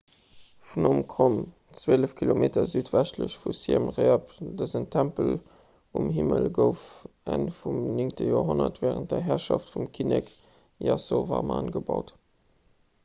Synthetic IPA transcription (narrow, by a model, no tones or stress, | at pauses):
funomkʁom | t͡sweːləfkʰilomeːtɐzyːtvæʃtləɕfusimʁeɐpdəzəntʰæmpəl | umhiməlɡəʊf | ænfumniŋtəjoːɐɦonɐtvɛːʁənt̚dɐɦɛɐʃɑftfumkʰinɛk | jɑsovɑ̰ːma̰ːnɡəbɑʊt